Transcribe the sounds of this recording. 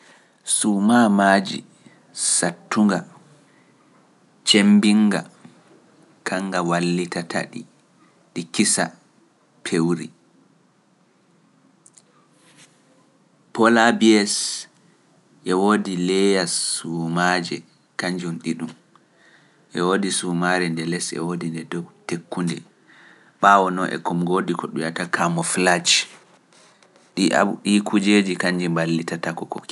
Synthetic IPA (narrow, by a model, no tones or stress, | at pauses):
sumamaːd͡ʒḭ | satːuŋɡa | t͡ʃembiŋɡa̰ | kʰaŋɡawalːitatʰa̰ɗi | ɗikisa̰ | pʰewɾi | pɔlabiɛs | ʔɛwoːdilɛjasːumad͡ʒɛ | kaɲd͡ʒumɗiɗum | ʔɛwoːdisumaɾɛndɛlɛsɛ̰wodindɛdɔwtekːundɛ | ɓawɔnɔʔɛ̰kɔmɡodikʰɔɗujatakʰamɔflat͡ʃ | ɗia̰ɗikʰud͡ʒed͡ʒikaɲd͡ʒɛmbalːitatakɔkɔ̰k